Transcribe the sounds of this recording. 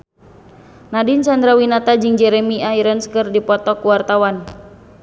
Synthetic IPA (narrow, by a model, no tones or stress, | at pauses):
nadint͡ʃand̪ɾawinat̪ad͡ʒɨŋd͡ʒɛɾɛmiaiɾənskɨrdipɔt̪ɔkuwart̪awan